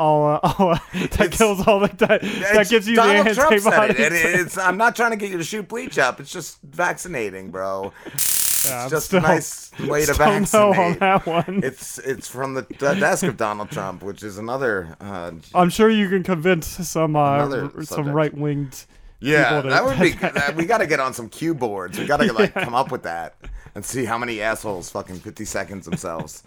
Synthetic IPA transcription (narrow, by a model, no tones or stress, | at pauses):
ɔlˠʔɑðɨt̚kʰɪlˠzɔlˠðaɪk̚ðɨt̚ðɨt̚ɡ̥ɪvzjɨðilæ̃nɹɹʌ̃bɾiɪtsãɪ̃mnətʰɹ̥aɪ̃ŋtʰɨɡɛt͡ʃɨɾɨʃʉt̚b̥lit͡ʃʌpɨtsd̥ʒ̥ʌst | væksɨneɪɾɪ̃ŋbɹoʊ | jæãɪʒʌstɪnlˠɪsweɪɨd̥væ̃ʊ̃nsːoʊʊə̃nɨt̚wʌ̃nɪtsɪtsfɹʌ̃mðɨʌdɛskʌvdɑnl̩ˠd̚tʰɹ̥ʌ̰̃mpwɨt͡ʃɨzənʌðə˞ʌãɪ̃mʃʊɹjɨkɨ̃nkɨ̃ɱvɪ̃nssʌ̃mʌðssʌ̃mɹaɪt̚wɪ̃ŋd̥ | jæil̩ˠɾɨət̚wədiðɨt̚wiɡɑɾɨɡɛɾn̩sʌ̃mkʰj̥ʉbɔɹdzwiɡɑɾɨlɪɪkʰʌ̃mʌpwɨðæ̰t̚ɨ̃nsiɦaʊmɛniæshoʊlˠz̥fʌkɪ̃ŋfɪftisɛkɨ̃n̩dzðə̃m̩sɛ̰lˠvz̥